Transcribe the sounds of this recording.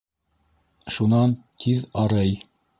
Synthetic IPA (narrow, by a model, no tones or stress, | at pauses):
ʃunɑnt̪ʰiðɑɾɤj